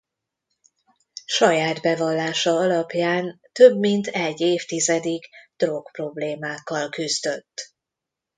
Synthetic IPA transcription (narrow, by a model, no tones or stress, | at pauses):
ʃɒjaːd̪bɛvɒlːaːʃɒɒlɒpjaːn | t̪øbmint̪ʰɛɟːeːft̪izɛd̪iɡd̪̥ro̞kpro̞bleːmaːkːɒlkyzd̪ø̞t̪ː